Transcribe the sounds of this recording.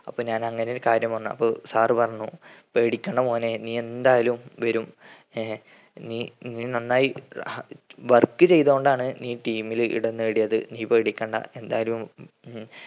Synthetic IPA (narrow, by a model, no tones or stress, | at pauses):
ɐpːoːɲaːnɐŋːɐnejoɾkaːɾjɐmʋɐnːuɐ̰pːoːsaːrɨpɐrɐɲːupeːɽikʲːeɳɖɐmoːneniːend̪aːjɐlumʋɐɾum | niːniːnɐnːaːji | ʋɐrkːɨt͡ɕe̞jt̪oːɳɖaːɳɨniːʈiːmilḭɽɐnːɨeɽijɐðɨ̰niːpeːɽikʲːeːɳɖɐ̰e̞nd̪aːjɐlum